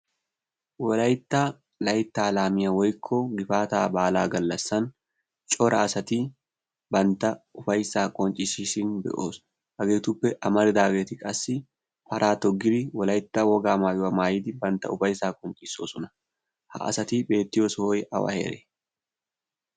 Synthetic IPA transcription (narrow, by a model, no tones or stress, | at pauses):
wɔlɐjɪt̪ːaː | lɐjɪt̪ːaːlaːmɪjɐwɔjkʰːoːɡɪfaːt̪aːbaːlaːɡɐlːɐsːɐn | t͡ʃʼɔɾʔɐɐsɐt̪iː | bɐnt̪ɐʊfɐjsaːkʼɔnt͡ʃʼɪsisiːnbɛ̰ʔoːs | ʔɐɡeːt̪ʊbːɛʔɐmɐɾɪd̪aːɡeːt̪ɪkʼɐsːɪ | pɐɾʔaːt̪ɔɡɪɾiwɔlɐjɪt̪ːaːwɔɡaːmaːjɔɐmaːjɪd̪ɪbɐnt̪ɐ̰ʊfɐjsaːkʼɔnt͡ʃʼɪsoːsɔnɐ̥ | hɐ̰ʔɐ̰sɐt̪iːbe̞ːt̪ːɪjoːsoːjʔɐ̰wa̰hɛ̰ɾɛ